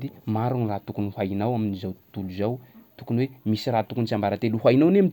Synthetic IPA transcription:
d̪imaɾunirat̪ukunihajnawaminizawt̪uluzawt̪ukunwemisirat̪ukunt͡ʃambaɾat̪eluɦajinawneam

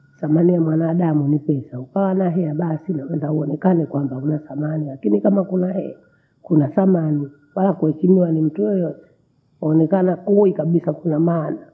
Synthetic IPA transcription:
samanijamwanaːɗamunipɛsaukawanaɦɛaɓasinaɛndauɔnɛkanɛkwambaunasamanilakinikamakunahɛa | kunasamani | walakuhɛʃimiwanim̩tujɔjɔtɛ̥ | hɔnɛkanakuikaɓisakunamaːna

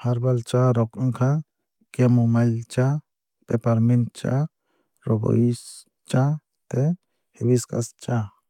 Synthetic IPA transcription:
haɾbalt͡ʃaɾɔkaŋkʰa | kɛmumajlt͡ʃa | pɛpaɾmint͡ʃa̰ | ɾɔɡɔ̰is | t͡ʃa | t̪ɛ | hewiska̰st͡ʃa

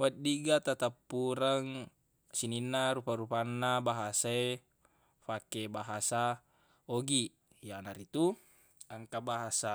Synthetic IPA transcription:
wat̪̚diɡat̪at̪apːuɾaŋ | sininːaɾupaɾupanːabaɦasae | fakebaɦasa | oɡi | janaɾit̪u | aŋkabaɦasa

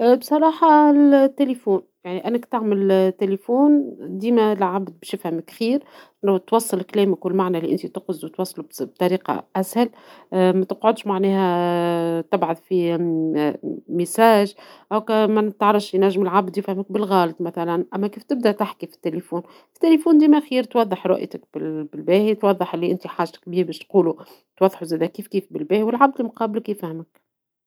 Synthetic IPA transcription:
bsˤɑɾˤɑːħɑlt̪ːelifuːnjaʕniʔænːəkt̪aʕməlt̪ːelifuːnd̪iːmælʕabd̪̚bɪʃjɪfhæmɪkxiːɾ | nt̪wɑsˤːɨlklɛːmɪkwɪlmaʕnæliʔɪnt̪it̪ʊqzwt̪wɑsˤːlubb̚t̪ˤɑɾiːqɑ̰ʔæshæl | mæt̪əqʕʊd̪ʃmaʕnɛːhæ | t̪ɪbʕʊd̪fi | mɪsaːʒʔæwkæmæt̪ɑʕɾˤɑfʃjnæʒːmɪlʕabd̪jɪfhɪmɪk̚bɪlɣɑːlt̪ˤmæθælænʔæmːækiːft̪ɪb̚d̪æʔt̪aħkifi̥t̪ːelifuːn | ɪ̥t̪ːelefuːnd̪iːmæxiːɾt̪wɑðˤːəħɾˤɑ̰ʔjt̪ɪk̚bɪbɪlbɛːhit̪wɑðˤːəħʔɪlːiʔɪnt̪iħaːʒt̪ɪ̥k̚biːhbɛːʃt̪quːlu | t̪wɑðˤːħuzæːd̪ækiːfkiːfbɪlbɛːhiwɪlʕab̚d̪limqɑːblɪkjɪfhmɪk̚

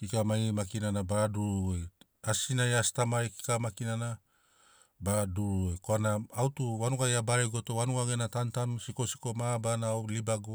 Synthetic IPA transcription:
kikamajmakinanabaduɾuj | asinajastamajki̥kamakinana | baduɾuojkoanaːwtuwanuɡajabaɾeɡotowanuɡaɡenatantamsiko̞si̥komabanawlibaɡu

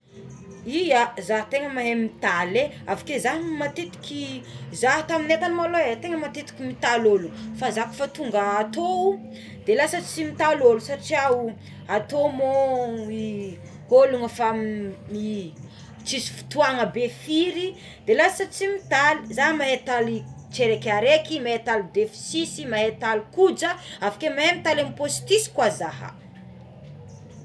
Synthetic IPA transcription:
ijazaɦt̪eŋəmaɦemit̪aleavu̥kezaɦmat̪et̪i̥kʲizaɦt̪aminet̪anmaloet̪eŋəmat̪et̪i̥kʲimit̪alolunfazaku̥fat̪uŋɡəːt̪ou | d̪̥elasət͡simit̪alolusaʈ͡ʂiau | at̪omoi | holuŋəfami | t͡sisi̥fi̥t̪uaŋəbefiɾi | d̪elasət͡simit̪alizamaɦet̪ali | t͡ʃeɾekʲaɾekimaet̪alid̪efi̥sisimaɦet̪alikud͡zəavḁkemamit̪alamiposi̥t̪isi̥kwazaɦə̰

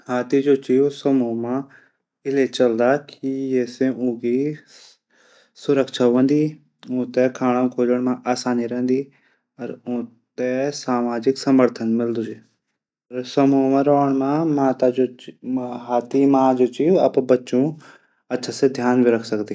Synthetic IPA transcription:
haːt̪id͡ʒoːt͡ʃiːusəmuːmã | ɪlet͡ʃɐld̪akijeːsẽʔũːki | sʊɾəkʃʰaʋə̃nd̪iː | ʊ̃ːt̪ɛkʰaːɽ̃ãkʰoːd͡ʒəɽ̃mãʔaːsaːniɾɛɦnd̪iː | ɐɾõː | t̪ɛsaːmaːd͡ʒɪksɐməɾt̪ʰənmɪld̪usi | ɐɾsɐmuːmãɾoːəɽ̃mãmaːt̪ad͡ʒoː | ɦaːt̪imãːd͡ʒoːt͡ʃiɐpbɐtːt͡ʃõ | ɐtːʃʰased̪ʱjaːnbʱiɾəkʰsəkd̪iː

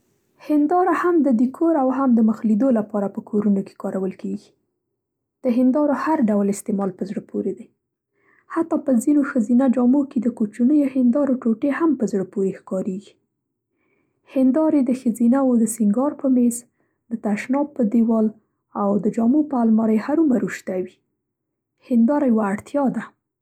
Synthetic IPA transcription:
hɪnd̪ɑɾahamd̪əd̪ikʰoɾawɦamd̪əməxlid̪olapɑɾapəkʰoɾunoke̥kɑɾawəlkeɡi̥ | d̪̥əɦɪnd̪ɑɾohaɾɖawlɪst̪emɑlpəzɽəpʰoɾed̪e | hat̪ːɑpəzinoxəzinad͡ʒɑmoked̪əkot͡ʃunəjohɪnd̪ɑɾoʈoʈehampəzɽəpoɾexkɑɾeɡi̥ | hɪnd̪ɑɾed̪əxəzinawod̪əsɪŋɡɑɾpəmes | d̪ət̪aʃnɑpːəd̪ewɑl | awd̪əd͡ʒɑmopəalmɑɾajhaɾumaɾuʃt̪awi | hɪnd̪ɑɾajwaːɽt̪jɑd̪a

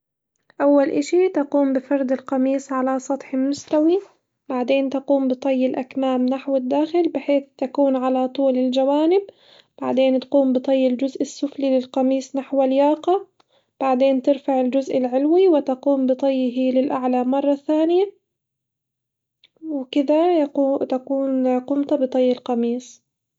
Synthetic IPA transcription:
ʔawːalʔaʃit̪aquːmbɪfɑɾˤd̪ɪlqɑmiːsˤʕalasˤɑt̪ˤħɪmːʊst̪awi | b̥aʕd̪eːnt̪aquːmbɨt̪ˤɑjːɪlʔakmaːmnaħwɪd̪ːaːxɪlbɪħeːθt̪akuːnʕalat̪ˤuːlɪld͡ʒawaːnɪb̚ | b̥aʕd̪eːnt̪quːmbɨt̪ˤɑjːɪld͡ʒʊzʔɪsːʊflilɪlqɑmiːsˤnaħwaljɑːqɑ | b̥aʕd̪eːnt̪ɪɾfaʕɪld͡ʒʊzʔɪlʕɪlwiwɪt̪aquːmbɨt̪ˤɑjːɦilɪlʔaʕlamɑrˤːɑθaːnɪja | wɪkɪd̪at̪akuːnqʊmt̪abɨt̪ˤɑjːɪlqɑmiːsˤ

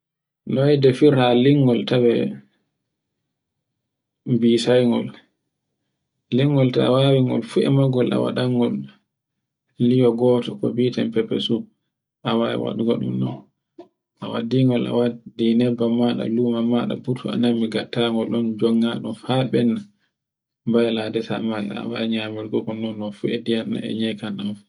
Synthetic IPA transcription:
nɔjdɛfiɾaliŋɡɔltawɛ | bisajŋɡɔ̰l | liŋɡɔltawawiŋɡɔ̰lfuɛ̰maɡɔla̰wa̰ɗaŋɡɔl | ijɔɡɔːtɔkɔ̰biːtɛmpɛpːɛ̰su | ʔawaɛ̰wa̰ɗuɡɔ̰ɗṵmːɔ̰n | ʔawa̰diŋɡɔla̰wadinɛbːamaɗa̰lumamaɗa̰butʰua̰namːiɡatːaŋɡɔlɗɔnd͡ʒɔŋːaɗɔfaɓɛna | mbajladɛta̰maɛ̰a̰waɲamiɾɡɔkɔnːɔnːɔfuɛdijanːa̰ɛ̰ɲɛjkananf

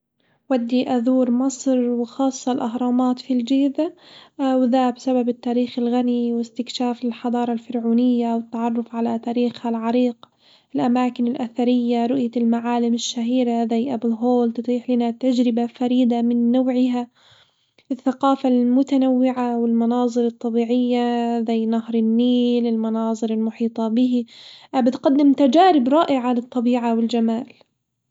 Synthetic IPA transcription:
wad̪ːiʔaðuːɾmɑsˤɾwɪxɑːsˤːɑlʔaɦɾˤɑːmaːt̪fild͡ʒiːd̪awðaːbsababɪt̪ːaːɾiːxɪlɣaniwɪst̪ɪkʃaːfɪlħɑd̪ˤɑːɾˤɑlfɪɾʕuːnɪjːawɪt̪ːɑʕɑrˤːʊfʕalat̪aːɾiːxhalʕɑɾiːq | ɪlʔamaːkɪnɪlʔaθaɾɪjːaɾˤʊʔjalmaʕaːlɪmɪʃːaɦiːɾaðajʔabɪlɦoːlt̪ɨt̪ˤiːħlɪnat̪ad͡ʒɾɪbafaɾiːd̪amɪnːoːʕɪɦa | ɪθːaqɑːfalmʊt̪anawːɪʕawɪlmɑnɑːzˤɨɾɨt̪ˤːɑbiːʕɪjːazajːnahɾˤɪnːiːlɪlmɑnɑːzˤɨɾɪlmʊħiːt̪ˤɑbɪɦibɪt̪qad̪ːɪmt̪ad͡ʒaːɾɪbɾˤɑːʔɪʕalɪt̪ˤːɑbiːʕawɪld͡ʒamaːl

